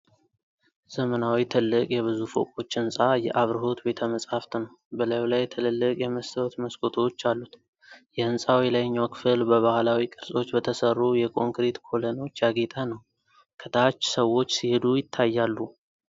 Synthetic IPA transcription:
z̥əmənawit̪ʰɨlːɨkʼjɛβɨzufo̰kʼo̞t͡ʃːɨnsʼajɛʔaβɾɨɦo̞t̪be̞t̪ʰəməsʼhaft̪nəw | bəlajlajt̪ʰɨlɨlːɨkʼjɛməst̪ʰəwt̪məskʰʼot̪ʰot͡ʃːalːut̪ | jɛɨnsʼawilajɲːawkʰɨfɨlbəβahlawikʼɨɾsʼo̞t͡ʃːbət̪ʰəsərːujɛkʼo̞ŋkɾet̪kʰo̞ləno̞t͡ʃːjaɡet̪ʼənəw | kʰət̪ʰat͡ʃːsəwːo̞t͡ʃːsihed̪ujɪt̪ʰːajːalːu

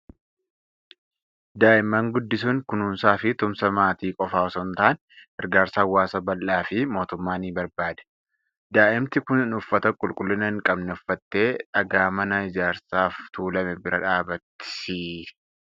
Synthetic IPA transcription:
d̪aːʔɪmːɐŋɡʊd̪ːɪsʊŋkʊnuːmsaːfɪt̪ʊmsɐmaːt̪iːkʼɔfaːɔsɔnt̪aʔːn | hɛɾɡaːɾsaːwːaːsɐbɐlʔaːfɪmo̞ːt̪ʊmːaːniːbɐɾbaːd̪ɐ̥ | d̪aːʔɪmt̪ɪkʊnɪnʊfːɐt̪ɐkʼʊlkʼʊlːɪnɐɪŋkʼɐbnɛʊfːɐt̪ːe̞ːᶑɐɡaːmɐnɐɪd͡ʒaːɾsaːft̪uːlɐmɛbɪɾɐᶑaːbɐt̪ːɪ̥ɪ

